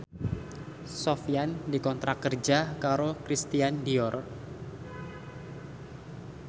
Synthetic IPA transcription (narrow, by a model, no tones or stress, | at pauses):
sofiandikɔnt̪ɾakərd͡ʒakaɾokɾist̪iandiɔr